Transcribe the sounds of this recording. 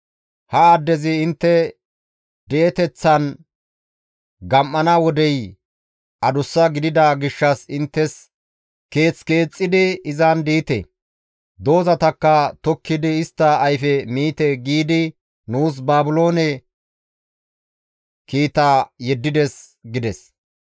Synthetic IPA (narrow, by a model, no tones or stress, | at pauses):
hɐad̪ːɛzɪɪnt̪ːɛ | d̪eːt̪ɛt͡sːɐn | ɡɐmʔːɐnɐwɔd̪ɛj | ʔɐd̪ʊsːɐɡɪd̪ɪd̪ɐɡɪʃːɐsɪnt̪ːɛs | ke̞ːt͡ske̞ːt͡sʼːɪd̪ɪɪzand̪iːt̪ɛ̰ | d̪o̞ːzɐt̪ɐkːɐt̪ɔkːɪd̪ɪɪst̪ːɐːjfɛmiːt̪ɛɡiːd̪ɪ | nuːs̬baːbʊlo̞ːnɛ | kiːt̪aːjɛd̪ːɪd̪ɛs | ɡɪd̪ɛs